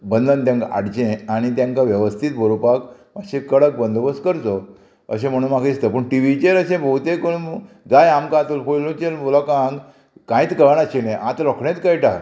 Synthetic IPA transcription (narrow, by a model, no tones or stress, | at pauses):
bənd̪ʱənt̪jãŋkaa̰ɽt͡ɕẽaɽ̃it̪̬jãŋkaʋjəʋəst̪ʰit̪̚bʱəɾupak | maɕẽkəɽək̚bənd̪ʱbəskəɾt̪o | ə̰ɕ̬ẽm̤əɽ̃ũːnmakist̪əpəɳʈiʋit͡ɕeɾəɕẽbʱowt̪ẽko | d͡zajamkãːt̪ulfojlũt͡ɕelmulakãŋɡ | kãjt̪kəəɳəɕeneʔãt̪ɾɔkʰɳẽt̪kəjʈa